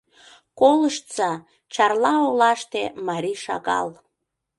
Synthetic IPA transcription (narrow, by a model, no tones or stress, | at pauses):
koləʃt̪t͡sɑ | t͡ɕɑrlɑolɑʃt̪emɑɾʲiʃɑ̰ɣɑ̰l